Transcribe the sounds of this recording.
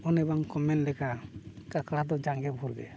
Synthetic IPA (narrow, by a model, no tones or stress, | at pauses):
ɔnɛbaŋkɔmɛnlɛkakaklad̪ɔd͡ʒaŋɡɛbʱuɾɡɛ̰